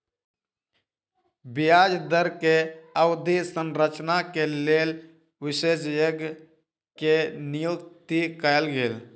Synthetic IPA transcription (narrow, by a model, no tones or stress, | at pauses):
bijaːd͡ʒd̪əɾkeəʊd̪isənɾət͡ʃnakeleːl | ʋɪsesjəɡ | kenijukt̪ikəjlɡeːl